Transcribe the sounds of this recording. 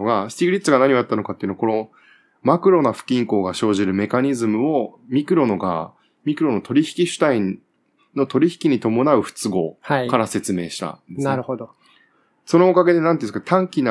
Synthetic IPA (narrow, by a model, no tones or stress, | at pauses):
ɡasɨ̥t̪ʲiɡiɾʲit̪ːsɨɡanaɲ̟io̞jat̪ːano̞kat̪ːeiɯ̟nooko̞no̞ | makɯ̟ɾo̞naɸɯ̟̥kʲĩŋko̞ːɡaɕo̞ːʑiɾɯ̟me̞kaɲ̟izɨmɯ̟o̞mʲikɯ̟ɾo̞no̞ɡa̰ | mʲikɯ̟ɾo̞no̞t̪o̞ɾʲiçi̥kʲiɕɨ̥t̪ai | no̞t̪o̞ɾʲiçi̥kʲiɲ̟it̪o̞mo̞naɯ̟ɸɯ̟̥t͡sɨɡo̞hakaɾase̞t͡sɨme̞ːɕi̥t̪a̰nd̪esɨnaɾɯ̟hod̪o | so̞noːkaɡe̞d̪e̞nãnt̪eiɯɨkt̪ãŋkʲina